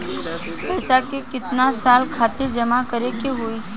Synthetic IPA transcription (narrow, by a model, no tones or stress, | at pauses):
ɛːsakekɪt̪nasaːlkʰaːt̪ɪɾd͡ʒəmakəɾekeɦoi